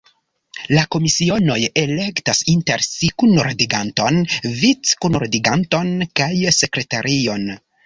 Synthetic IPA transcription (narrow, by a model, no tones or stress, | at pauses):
lako̞misio̞no̞je̞le̞ktasinteɾsikunoɾdiɡanto̞nvit͡skunoɾdiɡanto̞nkajse̞kɾetaɾʔio̞n